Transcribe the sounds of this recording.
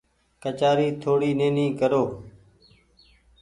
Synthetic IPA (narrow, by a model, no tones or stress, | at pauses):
kət͡ʃaːɾiːt̪ʰoːɽiːneːnĩːkəɾoː